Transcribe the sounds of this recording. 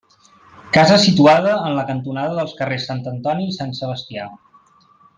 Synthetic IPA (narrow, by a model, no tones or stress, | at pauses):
kazəsit̪uaðəːnləkənt̪unaðəðəlˠskəresːant̪ənt̪ɔnisansələst̪ia